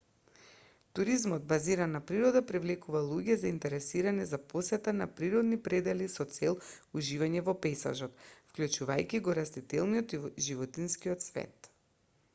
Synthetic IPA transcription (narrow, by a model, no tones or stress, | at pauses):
t̪uɾizmɔd̪̚baziɾanːapɾiɾɔd̪apɾivlɛkuvalˠuɟɛzaint̪ɛɾɛsiɾanɛzaposɛt̪anapɾiɾɔd̪nipɾɛd̪ɛlisɔt̪sɛlˠuʒivaɲɛvɔpɛjsa̰ʒɔt̪fklʲut͡ʃuvajkʲiɡɔɾast̪it̪ɛlˠniɔt̪iʒivɔt̪inskiɔt̪svɛ̰t̪